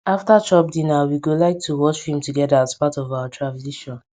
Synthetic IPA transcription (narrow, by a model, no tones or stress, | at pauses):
aftat͡ʃɔp̚dinawiɡolaɪk̚tʰuwɔt͡ʃhĩmtuɡɛdaːzpatɔvaʊatʰɹavziʃɔ̃n